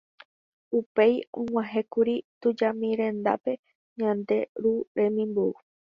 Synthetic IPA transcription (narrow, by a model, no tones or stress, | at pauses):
upe̞jõŋ̃ʷãɦekuɾit̪ud͡ʒamĩɾẽ̞nd̪a̰pe̞ | ɲãnd̪e̞ɾuɾẽ̞mĩmbuu